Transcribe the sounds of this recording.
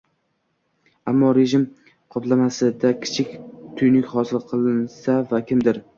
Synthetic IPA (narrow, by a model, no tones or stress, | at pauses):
amːɒɾe̞ʒɪm | qʰɒplˠamasɪd̪akʲʰɪ̥t͡ʃʰɪkʲt̪ʰʊjnɪkʲχɒsɪlˠqʰɨlˠɪnsavakʲʰɪmd̪ɪɾ